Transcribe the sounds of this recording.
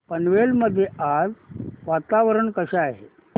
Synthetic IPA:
pənʋelməd̪ʱːjead͡zʋat̪aʋəɾəɳkəɕaaɦḛ

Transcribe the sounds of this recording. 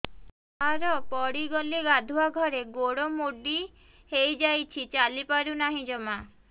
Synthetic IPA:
aɾɔpɔɽiɡɔliɡad̪ʱuaɡʱɔɾeɡoɽomoɖi | hejd͡ʒajt͡ʃʰit͡ʃalipaɾunaɦĩd͡ʒɔma

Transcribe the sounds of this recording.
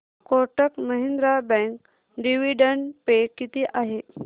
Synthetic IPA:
koɾʈəkməɦind̪ɾabɛ̃ŋk | ɖiʋiɖəɳɖpekːit̪iːʔaɦe

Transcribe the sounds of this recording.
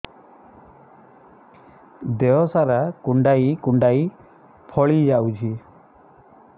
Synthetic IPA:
d̪eɔsaɾakuɳɖaikuɳɖai | pʰɔɭid͡ʒawt͡ʃʰi

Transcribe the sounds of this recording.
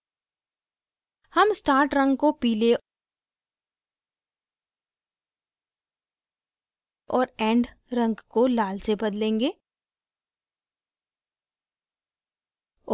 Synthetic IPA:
hɐmsʈaːɾʈɾə̃ŋɡkopiːle | ɔːɾɛ̃ːɳɖ | ɾɐ̃ŋɡkolaːlsebɐd̪lẽːŋɡeː

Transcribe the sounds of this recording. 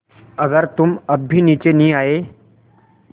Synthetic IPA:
əɡəɾt̪uməbʱiːnit͡ɕeniːaɦe

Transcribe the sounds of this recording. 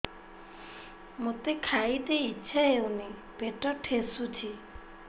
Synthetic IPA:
mot̪ekʰait̪eiːʃʰaeune | b̥eʈɔʈʰesut͡ʃʰi

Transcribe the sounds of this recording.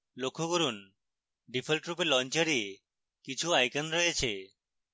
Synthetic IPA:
lokʰːoɡoɾun | ɖipʰelʈɾupeɾlɔnt͡ɕaɾie | kit͡ɕʰuajkanɾojet͡ɕʰe

